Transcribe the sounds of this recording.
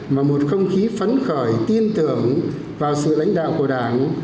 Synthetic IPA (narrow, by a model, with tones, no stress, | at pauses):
vaː˨˩mo˨˩t̚xə˧wŋ͡mxi˨˦fə˨˦nxəː˧˩jt̪i˧ənt̪ɨ˧˩əŋ | vaː˨˩wsɨ̰˧˨la̰˧˥jŋ̟ɗa̰ː˧˨wku˧˩ɗaː˧˩ŋ